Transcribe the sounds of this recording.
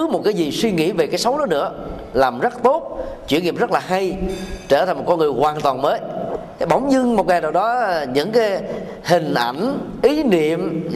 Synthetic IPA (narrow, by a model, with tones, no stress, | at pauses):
mo˨˩t̚kaː˨˦jzi˨˩swi˧ŋḭ˧˥ve˨˩kaː˨˦jsə˨˦wɗɔ˨˦nɨ̰˧˥ə | laː˨˩mzə˦˥t̚t̪o˦˥t̚t͡ɕwḭ˧˥ənːŋḭ˧˨əmzə˦˥laː˨˩ɦa˧jt͡ɕəː˧˩t̪ʰa˨˩jŋmo˨˩t̚kɔ˧nŋ˨˩əjhwaː˨˩nt̪waː˨˩nməː˨˦ | ɓə˧˩wŋ͡mɲɨ˧ŋmo˨˩t̚ŋaː˨˩jɗaː˨˩wɗɔ˨˦ɲɨ̰˧˥ŋkaː˨˦j | hï˨˩ŋ̟ʔa̰˧˩jŋ̟ | ʔi˨˦nḭ˧˨əm